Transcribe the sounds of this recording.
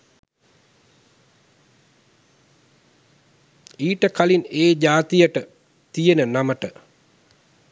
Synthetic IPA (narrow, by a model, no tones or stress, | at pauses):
iːʈəkalineːd͡ʒaːt̪ijəʈə | t̪ijenənaməʈə